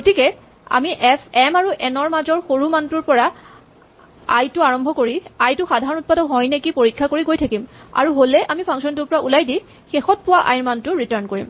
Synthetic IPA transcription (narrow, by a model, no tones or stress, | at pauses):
ɡotikɛ | a̰miʔɛpʰɛmaɹuʔɛnɔɹmazɔɹxoɹumantʊɹpɔɹa | a̰jtʊaɹɔmbʱɔkoɹiajtʊxadʱaɹɔnut̚padɔɦɔjnɛkipoɹikʰːakoɹiɡojtʰakima̰ɹuɦolɛʔamipʰãŋksɔntʊɹpɔɹaʔulajdi | xexɔt̚pʊwaʔa̰jɹmantʊɹitaɹnkoɹḭm